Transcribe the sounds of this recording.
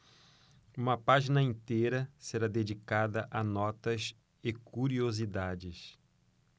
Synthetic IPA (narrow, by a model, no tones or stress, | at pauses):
ũmɐpaʒinɐĩnt̪eɾɐseɾad̪ed͡ʒikad̪ɐʔɐnɔt̪ɐs | ekuɾiozid̪ad͡ʒɪs